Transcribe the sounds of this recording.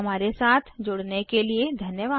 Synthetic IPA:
ɐmaːɾesaːt̪ʰd͡ʒʊɽnekelied̪ʱɐnjəʋaː

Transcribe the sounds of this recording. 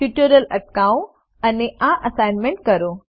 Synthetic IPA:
ʈuʈoɾəlɐʈ̚kaːõ | əneʔãʔɐsaːɪnmẽɳʈ̚kɐɾo

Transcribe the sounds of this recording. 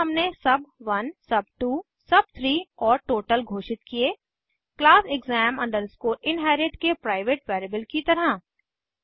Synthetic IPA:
ɐmnesɐbʋɐnsɐb̚ʈuː | sɐb̚t̪ʰɾiːɔːɾʈoːʈəlɡʱoːʃɪt̪kieː | klaːsɪɡzɛːmɐ̃ɳɖəɾskoːɾɪ̃nɦɛːɾɪʈkepɾaːɪʋeːʈʋɛːɾebəlkit̪ɐɾəɦ

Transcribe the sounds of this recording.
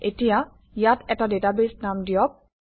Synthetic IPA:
etija | jatɛtadetabesnamdiɔk̚

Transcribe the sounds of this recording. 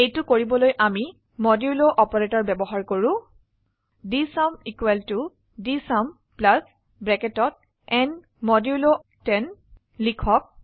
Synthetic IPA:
ejtʊkoɹibɔlojʔami | mɔdiuloʔɔpɔɹetɔɹbɛbɔɦaɹkoɹʊ̃ | disamikwɛltu | disam | plas | bɹɛkɛtɔt̚ | ɛn | mɔdjulo | tɛn | likʰɔk̚

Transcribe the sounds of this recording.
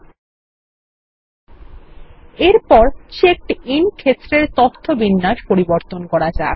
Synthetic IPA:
eɾpɔɾt͡ɕek̚ʈinkʰet̪ːɾeɾt̪ot̪ʰːobinːaʃpoɾiboɾt̪onkɔɾad͡ʑae

